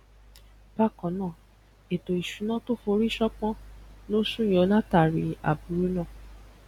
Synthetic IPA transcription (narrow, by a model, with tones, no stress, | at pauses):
b̥a˦kɔ̃˨˦nãː˦˨ | e˨to˨i˨ʃu˨˦nã˦to˦fo˧˦ɾi˦ʃɔ˦k͡pɔ̃˦no˦sũ˦jɔ˧˦nã˦ta˨ɾi˨˦a̰˨bu˨ɾu˦nãː˦˨